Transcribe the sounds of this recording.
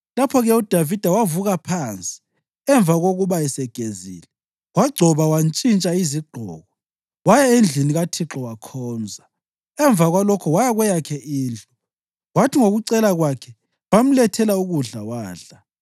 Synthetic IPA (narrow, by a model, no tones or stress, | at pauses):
lapʰɔɣɛud̥ʱavid̥ʱawavuɣapʰant͡sʼi̥ | ɛɱb̪vʱaɣoɣuβaɛsɛɡ̥ʱezḭːlɛ | waɡ͡ǀʱɔβawant͡ʃʼint͡ʃʼaiziɡ͡ǃʱɔ̰ːɣɔ | wajaend͡ɮʱiniɣatʰiǁɔwakʰɔːnd͡zʱa | ɛɱb̪vʱaɣwalɔkʰɔwajaɣwɛjakʰɛʔiːnd͡ɮʱɔ | watʰiŋoɣuǀɛlaɣwakʰɛ | wam̩lɛtʰɛlauɣuɮawaːɮa